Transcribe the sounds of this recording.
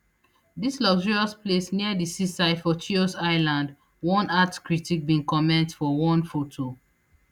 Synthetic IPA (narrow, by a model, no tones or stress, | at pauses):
dislɔɡʒɔɹiɔsplesniədisisaɪfɔtʰiɔsaɪlãnd | wɔ̃natkɹitik̚bĩnkɔmɛ̃ntfɔwɔ̃nfotʰo